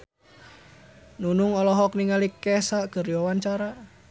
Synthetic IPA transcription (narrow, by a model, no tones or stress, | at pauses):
nunuŋɔlɔɦɔkniŋalikːɛsaʔkəriɔwant͡ʃaɾa